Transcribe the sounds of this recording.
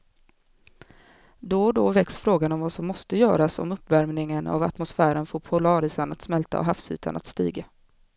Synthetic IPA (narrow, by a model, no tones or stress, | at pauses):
d̪ɔd̪ɔvɛksfɾoːɡanɔmvasɔmːɔst̪əjœːɾasɔ̰mɵpːvæɾmnɪŋəna̰vat̪mʊsfæːɾənfoːɾpʰʊlɑːɾɪsanat̪smɛlt̪a̰ɔ̰ɦafshy̰ːt̪ʰa̰na̰t̪st̪ḭːɡa